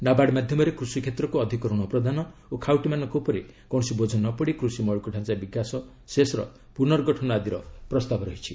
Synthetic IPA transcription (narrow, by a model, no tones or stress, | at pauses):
nabaɽmad̪ʱjɔmɔɾekɾusikʰet̪ɾɔkuɔd̪ʱikɔɾuɽ̃ɔpɾɔd̪ʱanɔokʰawʈimanɔŋkopɔɾi | kɔ̃ɔsibod͡ʒʱɔnɔpɔɽikɾusimɔɭɔkuɖʱãnsabiɡasɔ | sesɾɔ̰ | punɔɾɔɡɔʈʰɔnɔad̪iɾɔpɾɔst̪abʱɔɾɔɦit͡ʃʰi